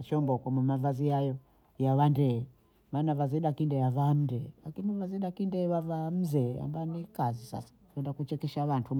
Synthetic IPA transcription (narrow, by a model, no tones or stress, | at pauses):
t͡ʃɔmbɔkɔmumavaziajɔ | jaβandɛ | maːnavaziɗakindɛjavam̩ndɛlakinivaziɗakindɛβavam̩zɛa̰mbanikazisa̰sḁkɛndakut͡ʃɛkɛʃaβantʰu